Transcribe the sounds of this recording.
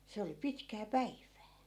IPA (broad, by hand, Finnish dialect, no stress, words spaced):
se oli pitkæː pæiʋˑæː